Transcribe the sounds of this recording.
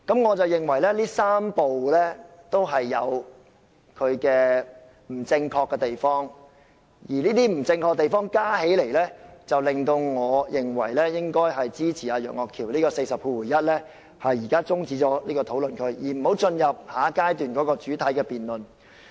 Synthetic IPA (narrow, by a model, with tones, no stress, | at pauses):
kɐ˨˥mŋɔː˨˧t͡sɐ˨wjɪ˨ŋwɐ˨˩jlɛː˥liː˥saː˥mpo˨wlɛː˥t̪o˥wɦɐ˨jːɐ˨˧w | kʰɵ˨˧ɥkɛː˧ | m̩˨˩t͡sɪ˧ŋkʰɔː˧kːɛ˧t̪e˨jfɔː˥ŋ | jiː˨˩liː˥t̪iː˥m̩˨˩t͡sɪ˧ŋkʰɔː˧k̚t̪e˨jfɔː˥ŋkaː˥he˨˥jle˨˩jlɛː˥t͡sɐ˨wlɪ˨˩ŋt̪o˧wŋɔː˨˧jɪ˨ŋwɐ̰˨˩jlɛː˥jɪ˥ŋkɔː˥jɦɐ˨jt͡siː˥t͡sʰiː˨˩aː˨˧jœ̰ː˨˩ŋɔː˨kʰiː˨˩wliː˥kɔː˧se˧jsɐ˨p̚kuː˧wuː˨˩jɐ˥t̚lɛː˥ | hɐ˨jːiː˨˩kaː˥t͡sʊ˥ŋt͡siː˨˥t͡sɔː˨˥liː˥kɔː˧t̪ʰo˨˥wlɵ˨nkʰɵ˧ɥjiː˨˩m̩˨˩ho˨˥wt͡sɵ˧njɐ˨p̚haː˨˧kaː˥jt̪yː˨nkɔː˨˥kɔː˧t͡ʃyː˨˥t̪ʰɐ˨˥jkɛː˧piː˨nlɵ˨n